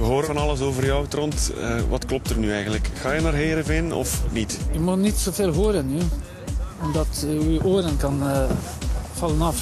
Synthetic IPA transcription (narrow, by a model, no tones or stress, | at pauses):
əɦoːɾəɑnɑləsoːvərjwtrɔntəʋɑtklɔp̚tərnyɛjɣəndləkxaːjənaːrɦeːɾəvɪnɔ̰fnitəmutnitsoːvelˠɦoːɾənːy | ɔmdɑtyʔoːɾənkɑn | v̥ɑlənɑf